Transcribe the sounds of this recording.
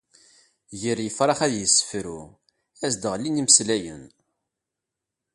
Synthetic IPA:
jəɾjəfɾˤɑχæðjəsːə̥fɾu | æzd̪əʁliniməslæjə̰n

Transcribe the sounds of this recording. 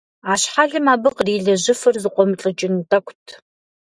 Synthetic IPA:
aːɕħaɮɨmaːbɨqriːɮɐʑɪfɐrzɨqʷʼɔmɨɬʼɐt͡ʃʼɪntʼɐkʷʰʼtʰ

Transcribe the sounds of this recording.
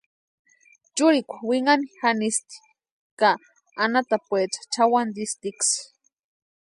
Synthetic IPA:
t͡ʃʊɾikʷḁwiŋanixanist̪i̥ | kaː | nat̪apwet͡ʃḁt͡ʃawand̪ist̪iks

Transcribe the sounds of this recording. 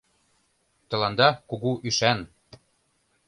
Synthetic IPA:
t̪ɤ̆lɑnd̪ɑkuɣuʔyʃæn

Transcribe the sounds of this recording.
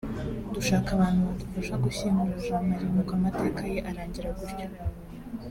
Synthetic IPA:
duʃaːkaβaːn̥huβatuvuʒaɡuɕimuɾuʒamaɾimukoamate̞ːkaje̞ʔaɾaːɲɟiɾaɡuɾɟo

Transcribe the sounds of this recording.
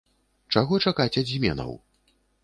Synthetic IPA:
t͡ʂaɣɔt͡ʂakat͡sʲadzʲmʲɛ̰nɐ̰w

